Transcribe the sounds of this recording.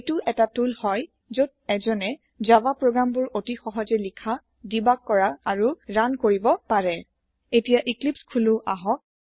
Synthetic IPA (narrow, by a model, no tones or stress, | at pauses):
tʊʔɛtatulhɔj | zod̚ɛzɔnɛ | zabapɹoɡɹambʊɹotixɔɦɔzɛlikʰa | dibakːɔɹaːɹuɹankoɹibɔpaɹɛ | etijaʔiklipskʰulʊʔaɦɔ